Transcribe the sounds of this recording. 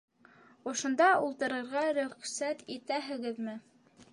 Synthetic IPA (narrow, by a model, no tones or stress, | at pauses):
ŏʃŏnd̪ɑulˠt̪ɤ̆ɾɤ̆ɾʁɑɾɵ̆χsæt̪it̪æɦɘ̆ɡɘðmɘ